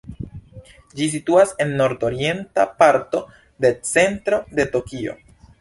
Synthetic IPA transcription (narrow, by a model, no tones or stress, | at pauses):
d͡ʒis̬ituase̞nːo̞ɾdoɾie̞ntapaɾto̞ | de̞t͡se̞ntɾo̞de̞to̞kio̞̰